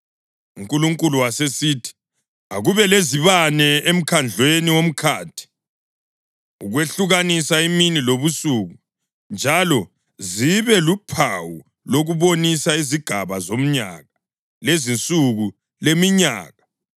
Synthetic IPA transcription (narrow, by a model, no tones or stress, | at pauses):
uŋkʼuluŋkʼuluwasesiːtʰi̥ | aɣuβɛleziβanɛem̩kʰand͡ɮʱweniwom̩kʰaːtʰi̥ | uɣweɬuɣanisaiminiloβusuːɣu | nd͡ʒʱalɔ | ziβɛlupʰawu | loɣuβonisaiziɡ̥ʱaβazom̩ɲa̰ɣa | lezint͡sʼuɣu | lemiɲa̰ːɣa